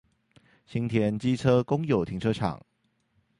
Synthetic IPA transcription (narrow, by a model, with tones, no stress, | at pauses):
ɕi˥ŋt̪ʰjɛ˧˥nt͡ɕi˥ʈ͡ʂʰɤ˥kʊ˥ŋjo˨˩ʊt̪ʰi˧˥ŋʈ͡ʂʰɤ˥ʈ͡ʂʰɑ̰˨˩˦ŋ